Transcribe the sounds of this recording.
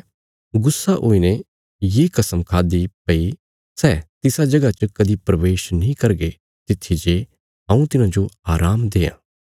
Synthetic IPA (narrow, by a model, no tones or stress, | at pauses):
ɡʊsːaʔo̰ːine | jeːkɐsəmkʰaːd̪ipɐi | sɛːt̪ɪsad͡ʒɐɡat͡ʃəkɐd̪ipɾɐʋeːʃnɐĩkɐɾɡe | t̪ɪt̪ʰːid͡ʒe | ɐ̃ːũt̪ɪnãd͡ʒoaːɾaːmd̪eːã̰ː